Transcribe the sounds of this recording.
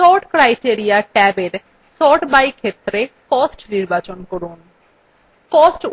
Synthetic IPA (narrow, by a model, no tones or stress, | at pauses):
sɔɾʈkɾajʈieɾijaʈɛbeɾ | sɔʈbajkʰet̪ːɾekɔsʈniɾbat͡ɕonkoɾun | kɔsʈ